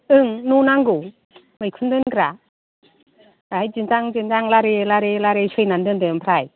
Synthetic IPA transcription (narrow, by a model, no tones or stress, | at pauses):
ɯŋnunaŋɡu | mɯjkʰɯndɯnkɾa | ɾajd͡ʒɯntaŋd͡ʒɯnzaŋlaɾelaɾelaɾesɯjnandɯndɯmpʰɾaj